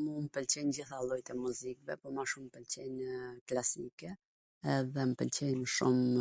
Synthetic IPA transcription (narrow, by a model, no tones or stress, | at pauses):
mumpəlt͡ɕɛnd͡ʑiθalˠɔjt̪ɛmuzikvɛpɔmaʃumpɛlt͡ɕɛnklasikɛ | ɛðɛmpɛlt͡ɕɛnəʃum